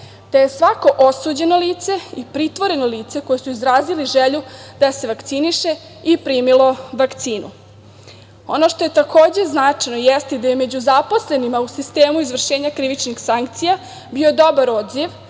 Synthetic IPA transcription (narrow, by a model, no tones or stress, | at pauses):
t̪ejesʋako̞ʔosud͡ʑe̞noliːt̪se̞ipɾit̪ʋo̞ɾe̞noliːt̪se̞ko̞jesuizɾaːziliʒeʎud̪̥ase̞ʋakt̪siniʃe̞ | ipɾiːmilo̞ʋakt̪siːnṵ | ono̞ʃt̪o̞je̞t̪akʰoːd͡ʑeznat͡ʂajno̞jɛst̪id̪ajeme̞d͡ʑuzapo̞sle̞nimausist̪eːmuizvr̩ʃeːɲakɾiʋit͡ʃnixsaŋkt̪sija | bio̞d̪o̞baɾo̞d̪ziʋ